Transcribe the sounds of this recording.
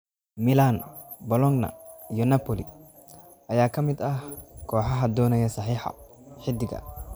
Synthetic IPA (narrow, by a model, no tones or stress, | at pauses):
mɪlanbɔlɔŋnɐ̰ijɔnɐpʰɔli | ʔɐjaːkʰɐmɪd̪ɐhkʰɔːħɑɦɐd̪ɔːnɛjɐsɐħiːħɑ̰ | ħɪd̪ɪɣɐ̰